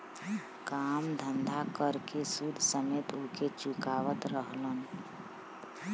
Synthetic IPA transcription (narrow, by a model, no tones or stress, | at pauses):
kamd̪ʱənd̪ʱakəɾkesud̪ʱsəmet̪oket͡ʃukaʋət̪ɾəɦlən